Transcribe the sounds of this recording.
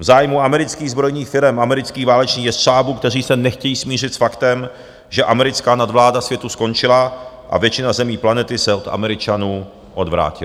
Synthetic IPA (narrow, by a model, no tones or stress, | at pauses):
vzaːjmuamɛɾɪt͡skiːɣzbɾo̞jniːxfɪɾɛmamɛɾɪt͡skiːɣvaːlɛt͡ʃniːxjɛsʃaːbuːkt̪ɛr̝iːsɛnɛxcɛjiːsmiːr̝ɪt̪sfakt̪ɛm | ʒɛʔamɛɾɪt͡skaːnadvlaːdasvjɛt̪usko̞nt͡ʃɪla | ʔa̰vjɛt͡ʃɪnazɛmiːplanɛt̪ɪsɛot̪a̰mɛɾɪt͡ʃanuː | ʔo̞dvɾa̰ːcɪ